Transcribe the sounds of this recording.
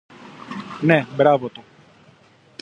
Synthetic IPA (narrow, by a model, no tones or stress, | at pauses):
nɛbɾavɔt̪u